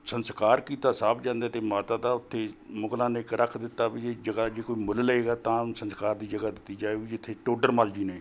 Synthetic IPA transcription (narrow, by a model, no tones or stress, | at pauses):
sənskaːɾkiːt̪aːsaːbd͡ʒãːnd̪aːt̪eːmaːt̪aːd̪aːʊt̪ʰːeːmʊɡlãːnɪkɾəkʰd̪ɪt̪ːaːbied͡ʒəɡaːd͡ʒeːkoːiːmʊlləeːɡaːt̪ãːsənskaːɾd̪iːd͡ʒəɡaːd̪ɪt̪ːiːd͡ʒaːeːʋiːd͡ʒɪt̪ʰːeːʈoːɖəɾmaːld͡ʒiːneː